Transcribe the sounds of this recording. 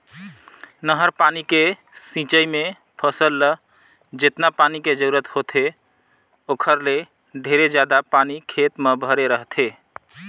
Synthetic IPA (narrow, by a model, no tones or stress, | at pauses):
nəɦəɾpanike | sĩt͡ʃəjme | pʰəsəlːə | d͡ʒet̪napaniked͡ʒəɾuɾət̪hot̪ʰe | okʰəɾle | ɖʱeɾed͡ʒjad̪apanikʰet̪mebʱəɾeɾəɦt̪ʰe